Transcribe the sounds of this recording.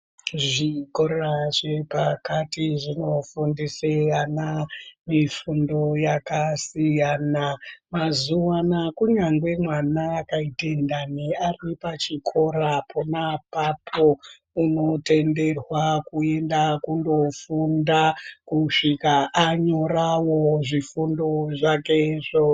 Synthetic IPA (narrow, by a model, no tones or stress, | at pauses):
ʐikoraʐe̞pakatiʐino̞fundisejanamifundo̞jakasijanamazuwanakuɲaŋɡwe̞mwanaːkaite̞ndanearipat͡ʃikʰo̞ɾapʰo̞napapʰo | uno̞te̞nde̞rwakue̞ndakundo̞fundakuʂikaʔːɲo̞rawoʐifundo̞ʐake̞ʐo